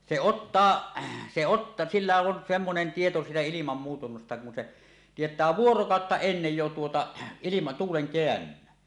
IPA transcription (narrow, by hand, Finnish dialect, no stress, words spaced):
se otːɑː se ot silːæ on semːonen tieto siːtæ ilimɑm muːtunːɑstɑ kun se tietˑæː ʋuorokɑˑotːɑ enːej jo tuotɑ ilimɑ tuːleŋ keænːynˑæn